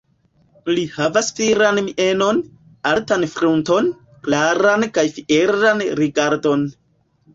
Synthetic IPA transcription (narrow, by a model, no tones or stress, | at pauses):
lihavasfiɾanmiʔeno̞n | altanfɾunto̞n | klaɾankajfiʔeɾanɾiɡaɾdo̞n